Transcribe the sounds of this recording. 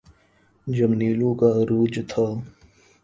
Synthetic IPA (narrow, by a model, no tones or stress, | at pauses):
d͡ʒəmniːlũkaɾuːd͡ʒt̪ʰa